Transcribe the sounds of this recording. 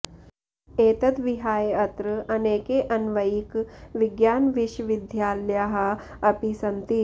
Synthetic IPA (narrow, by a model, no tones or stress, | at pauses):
eːt̪ɐt̪ʋiɦaːjɐt̪ɾɨɐneːkeʔɐnʋɐikʋiɡjaːnʋiʃʋid̪ʱjaːljaːɦɐ | ɐpisɐnt̪i